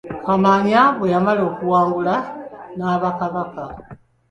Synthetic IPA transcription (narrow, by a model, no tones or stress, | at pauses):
kamaɲaβwe̞jamaleo̞ːkuwaːŋɡulanaβakaβaka